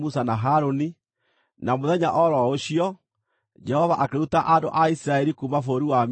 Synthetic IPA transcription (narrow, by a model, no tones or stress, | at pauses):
musanaɦaɾoni | namoðɛɲaʔɔɾɔoɕiɔ | d͡ʒɛhɔvaʔakeutaʔando̰ʔaisiɾaɛɾikumafoɾiwam